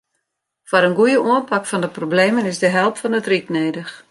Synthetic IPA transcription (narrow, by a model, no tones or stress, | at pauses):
fɔɾənɡujəʔuənpakfɔndəprobleːmənɪsdəɦɛlˠpfɔnətrik̚neːdəx